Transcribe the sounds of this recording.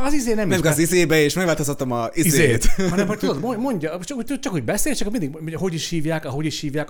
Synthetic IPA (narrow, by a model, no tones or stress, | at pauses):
ɒzizeːnɛmnɛmɡɛsizeːbɛeːʃmɛɡvaːt̪ost̪ɑt̪ːomɒizizeet̪hɒnɛmhoct̪ud̪od̪momo̞ɲɟɒt͡ʃɒkhot̪ut͡ʃɒkho̞ɟbɛseːlt͡ʃɛkomind̪iɡmoɦo̞ɟiʃhiːvjaːkɒɦo̞ɟiʃhiːvjaːk